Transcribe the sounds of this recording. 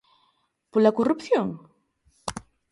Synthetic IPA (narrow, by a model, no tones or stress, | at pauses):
polɐkorupθjoŋ